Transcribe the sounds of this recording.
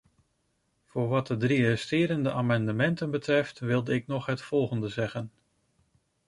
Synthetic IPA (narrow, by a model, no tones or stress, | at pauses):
v̥ʊːɹʋɑt̚dədriəstɪːɾəndəʔaːmɑndəmɛntənbətrɛftʋɪlˠdəɪk̚nɔχɦətfɔlˠχəndəzɛχən